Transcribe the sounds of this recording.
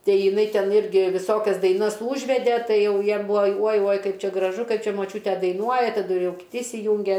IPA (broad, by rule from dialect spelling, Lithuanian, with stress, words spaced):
ˈtɐɪ jɪˈnɐɪ ˈtʲɛn ˈɪrʲɡʲɪ ʋʲɪˈsoːkʲɛs dɐɪˈnɐs ˈuːʒʲʋʲɛdʲɛ ˈtɐɪ ˈjɛʊ ˈjiɛm ˈbʊʋoː uɔj uɔj ˈkɐɪp ˈt͡ʃʲɛ ɡrɐˈʒʊ ˈkɐɪp ˈt͡ʃʲɛ moːˈt͡ʃʲuːtʲɛ dɐɪˈnuɔjɛ tɐˈdʊ ˈjɛʊ ɪr kʲɪˈtʲɪ ɪsʲɪˈjʊŋʲɡʲɛ